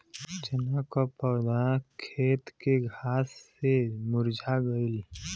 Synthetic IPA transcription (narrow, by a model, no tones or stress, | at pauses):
t͡ʃɪnakopɔːd̪akʰeːt̪keɡʱaːsːemʊɾd͡ʒʱaɡəɪl